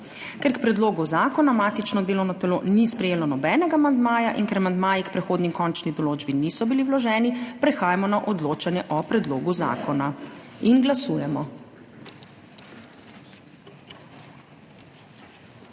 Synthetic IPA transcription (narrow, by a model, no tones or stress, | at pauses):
kɛɾkpɾɛd̪loːɡuzaːkɔnamaːt̪it͡ʃnɔd̪eːlɔwnat̪ɛlonispɾɛjeːlɔnɔbɛːnɛɡamand̪maːjaʔinkɛɾamand̪maːjikpɾɛxoːd̪nikɔnt͡ʃnid̪ɔloːd͡ʒbinisɔbiliwlɔʒɛːnipɾɛxaːjamɔnaʔɔd̪loːt͡ʃanjɛʔɔpɾɛd̪loːɡuza̰ːkɔnainɡlasuːjɛmɔ